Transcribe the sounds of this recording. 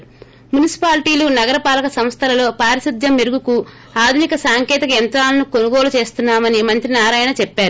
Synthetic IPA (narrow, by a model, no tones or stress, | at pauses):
munisi̥paːliʈiːlunɐɡɐɾɐpaːlɐkɐsɐmst̪ʰɐlɐlo̞ːpaːɾisid̪ʱjɐmːiɾuɡuku | aːd̪ʱunikɐsaːŋkɛːt̪ɐkɐjɐnt̪ɾaːlɐnuko̞nuɡo̞ːlut͡ʃe̞ːst̪unːaːmɐnimɐnt̪ɾinaːɾaːjɐnɐt͡ʃɛpːaːɾu